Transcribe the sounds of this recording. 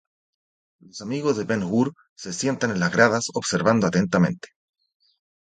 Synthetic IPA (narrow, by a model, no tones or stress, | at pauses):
lo̞samiɣo̞zðepenɣuɾ | sesje̞nt̪anenlaɣɾaðasoβ̥se̞ɾβand̪oat̪e̞nt̪amẽ̞̰nt̪e̥